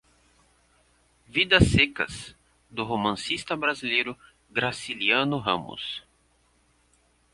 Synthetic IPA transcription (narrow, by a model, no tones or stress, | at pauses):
vid̪ɐsːekɐ̰s | d̪ʊɦomɐ̃sist̪ɐbɾazilejɾʊ | ɡɾasiliɐ̃nʊɦɐ̰̃mʊ̰s